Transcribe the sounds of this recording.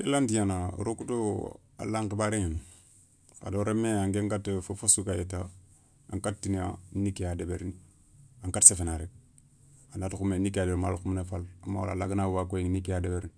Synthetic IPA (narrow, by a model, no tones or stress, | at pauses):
kelandijana̰ɾokuto | a̰lːaŋkebaɾeŋen | ka̰doɾemːeaŋɡeŋɡatfofosukajeta | a̰ŋkat̚tːinia̰nikijadebeɾni | aŋkatsefenaɾek̚ | anatkumenikadeɾma̰lkumnefalamːa̰wo̰la̰laɡinawakojiŋnikiadebeɾni